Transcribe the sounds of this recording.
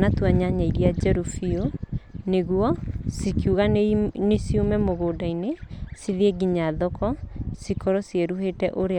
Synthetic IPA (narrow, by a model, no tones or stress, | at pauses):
natwaɲaɲaiɾiad͡ʒɛɾufioneɣuɔsikiuɣanesiumɛmoɣoːdainesiðeɡiɲaðɔkɔsikɔɾɔsieɾuɦetɛʔoɾe